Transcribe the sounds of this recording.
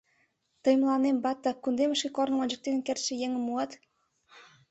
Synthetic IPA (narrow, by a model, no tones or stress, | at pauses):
t̪ɤ̆jmlˠɑnembɑt̪ːɑkund̪emə̆ʃkʲekornɤ̆mɑnʲd͡ʑə̆k̚t̪enekʲert̪t͡ɕɘ̆jeŋɘ̆mːuɑt̪